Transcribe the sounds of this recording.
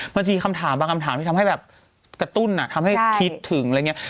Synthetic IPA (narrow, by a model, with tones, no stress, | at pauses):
ma˧nt͡ɕa˨miː˧kʰa˧mt̪ʰaː˩˦mbaː˧ŋka˧mt̪ʰaː˩˦mt̪ʰi˥˩t̪ʰːɦa˥˩jbɛː˨˩p̚ | kɾa˧t̪u˥˩nʔa˨˩t̪ʰa˧mha˥˩jkʰi˦˥t̪ʰːɯ˩˦ŋla˧˨ŋ˦˥ɐ˥